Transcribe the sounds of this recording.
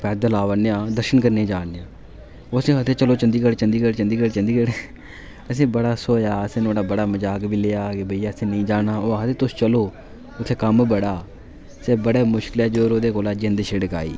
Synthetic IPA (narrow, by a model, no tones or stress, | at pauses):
pɛːd̪əlaːʋəneːãːd̪əɾʃənkəɾnẽːd͡ʒaːneãː | oːəsĩːɦət̪ʰːeːt͡ʃəloːt͡ʃənd̪iːkəɽt͡ʃənd̪iːkəɽt͡ʃənd̪iːkəɽt͡ʃənd̪iːkəɽe | əs̬ĩːbəɽaːsoːjaːəsĩːnoːɽaːbəɽaːməd͡ʒaːkbiːleːaːkebəiːaːəsĩːnəĩːd͡ʒaːnaːoːət̪ʰeːt̪ʊst͡ʃəloː | ʊt̪ʰːeːkəmbəɽaː | sɛːbəɽeːmʊʃkɪlɛːd͡ʒoːɾoːd̪eːkoːlaːd͡ʒeːənd̪eːʃeɽəka̰ːḭː